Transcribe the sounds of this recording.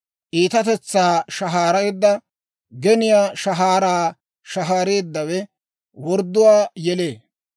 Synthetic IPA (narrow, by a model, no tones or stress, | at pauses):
ʔiːt̪ɐt̪ɛt͡sːaːʃɐɦaːɾɐjd̪ːɐ | ɡɛnɪjaːʃɐɦaːɾaː | ʃɐɦaːɾeːd̪ːɐwɛ | wɔɾd̪ːʊwaːjɛleː